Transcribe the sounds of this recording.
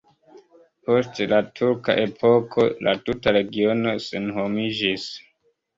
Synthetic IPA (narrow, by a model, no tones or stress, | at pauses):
po̞stelatʰuɾka̰ʔe̞pʰo̞kʰo̞lʔa̰tutaɾe̞ɡio̞no̞se̞nɦomid͡ʒis